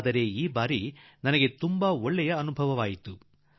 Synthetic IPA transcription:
d̪ɐɾe̞ːiːbaːɾi | nɐnɐɡe̞t̪umbɐɔɭːɛjɐːnubʱɐʋɐʋaːjit̪u

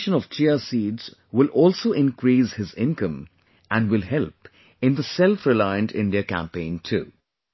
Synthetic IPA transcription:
ʃə̃nɔʋt͡ʃʰiəsiːdz̥wɪlɔːlsoːʔɪ̃nkɾiːshɪzɪ̃nkə̃m | ʔæ̃nɖwɪlɦɛlp | ɪ̃nðəsɛlfɾɪlaɪə̃ntɪ̰̃nɖiəkæ̰̃mpẽɪ̃ntʰṵː

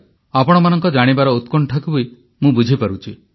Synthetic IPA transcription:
apɔɽ̃ɔmanɔŋkɔd͡ʒaɽ̃ibaɾɔut̪kɔɳʈʰakubɔi | mũbud͡ʒʱipaɾut͡ʃʰi

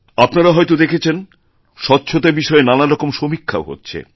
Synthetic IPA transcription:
apnaɾaɦɔjt̪od̪ekʰet͡ɕʰen | ʃɔtːɕʰot̪abiʃɔenanaɾɔkomʃomikʰːa̰oɦo̰tːɕʰḛ

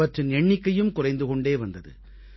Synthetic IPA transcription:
ɐʈrɪnɛɳːɪkːɐjɯmkʊrɐɪnd̪ɯkɔɳɖeːʋɐnd̪ɐðɯ̰

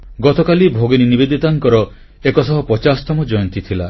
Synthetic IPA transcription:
ɡɔt̪ɔkalibʱoɡeninibed̪it̪aŋkɔɾɔ | ekɔsɔɦɔpɔt͡ʃasɔ̥t̪ɔmɔd͡ʒɔjɔnt̪it̪ʰila̰

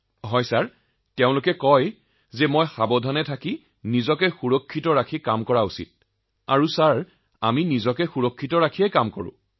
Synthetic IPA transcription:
ɦɔjsaɹ | teʊ̃lʊkɛkɔj | zɛmojxabɔdʱanɛtʰaki | nizɔkɛxuɹɔkʰːitɔɹakʰikamkɔɹausḭt̚ | a̰ɹusaɹ | aminizɔkɛxuɹɔkʰːitɔɹakʰijɛkamkɔɹʊ̰̃

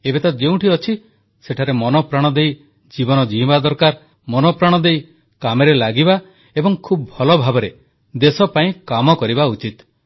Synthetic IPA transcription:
ebet̪ad͡ʒeũʈiɔt͡ʃʰi | seʈʰaɾemɔnɔpɾaɽ̃ɔd̪ej | d͡ʒibɔnɔd͡ʒiĩbad̪ɔɾkaɾ | mɔnɔpɾaɽ̃ɔd̪ej | kameɾelaɡiba | ebɔŋkʰubɔbʱɔlɔbʱabɔɾe | d̪esɔpaĩkamɔkɔɾibaut͡ʃit̪

